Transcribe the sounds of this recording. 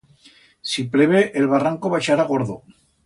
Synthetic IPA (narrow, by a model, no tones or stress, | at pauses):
sipɾeβ̞eʔelβaraŋko̞βaeʃaɾaɣ̞o̞ɾðo̰